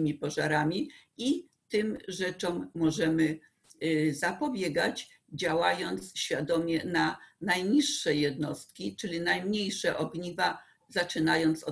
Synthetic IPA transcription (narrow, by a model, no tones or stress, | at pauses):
mʲipɔʐaɾamʲii | t̪ɘmʐɛt͡ʂɔmːɔʐɛmɘ | zapɔbʲjɛɡad͡ʑ | d͡ʑawajɔnt̪sɕfʲjad̪ɔmʲɛnanajɲiʂːɛjɛd̪nɔst̪̚kʲit͡ʂɘlʲinajmɲejʂɛʔɔɡɲiva | zat͡ʂɘnajɔnt̪sɔ